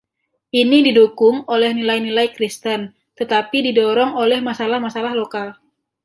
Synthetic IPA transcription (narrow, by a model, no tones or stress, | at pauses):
ʔinididukʊŋolɛhnilajnilajkɾist̪ən | t̪ət̪apididɔɾɔŋolɛhmasalahmasalahlokal